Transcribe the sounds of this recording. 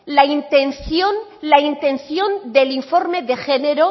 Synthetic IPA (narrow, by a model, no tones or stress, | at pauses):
laint̪enθjonlaint̪ẽ̞nθjo̞nd̪eliɱfo̞ɾme̞ðexeneɾo